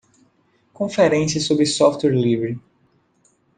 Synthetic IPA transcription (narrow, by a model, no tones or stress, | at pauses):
kõfɛɾẽsɐsobɾɪsɔft̪wɛɾlivɾɪ